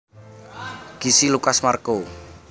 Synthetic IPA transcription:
ɡ̥i̤silukasmarko

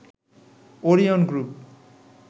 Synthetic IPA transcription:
oɾijɔnɡɾup̚

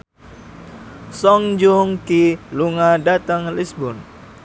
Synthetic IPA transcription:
sɔŋd͡ʒuŋkiluŋadat̪əŋlisbɔn

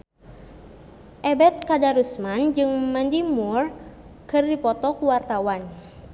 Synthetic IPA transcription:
ʔɛbɛt̪̚kadaɾusmand͡ʒɨŋmandimur | kɨrdipɔt̪ɔkuwart̪awan

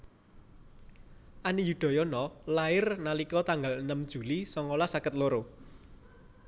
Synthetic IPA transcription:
ʔanijuɖ̪̥ɔ̤jɔnɔlaɪrnalikɔt̪aŋɡalənəmd̥ʒ̥ṳlisɔŋolasakət̪loɾo

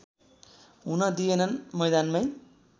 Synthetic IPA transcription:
ɦunʌd̪ijenʌnmʌjd̪anmaj

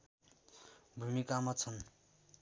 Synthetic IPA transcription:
bʱumikamat͡sʰʌn

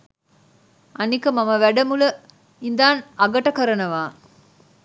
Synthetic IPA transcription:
ɐnikɐmamɐʋæɖɐmulə | ind̪aːnɐɡɐʈɐkɐɾɐnɐʋaː

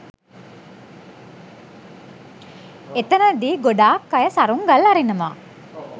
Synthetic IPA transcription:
et̪ɐnəd̪iːɡoɖaːkːɐjəsaɾuŋɡɐlɐɾinɐma̰ː

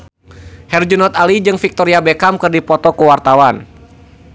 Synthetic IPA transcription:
hɛrd͡ʒunɔt̪alid͡ʒɨŋfik̚t̪ɔɾiabɛkamkɨrdipɔt̪ɔkəwart̪awan

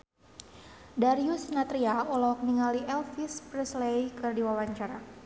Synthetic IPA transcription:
daɾiusnat̪ɾiaɔlɔk̚niŋaliʔɛlfispɾɛslejkɨrdiwawaɲt͡ʃaɾa

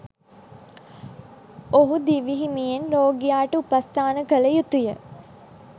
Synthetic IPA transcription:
oɦud̪iʋiɦimijenɾoːɡijaːʈəupast̪ʰaːnəkələjut̪ujə

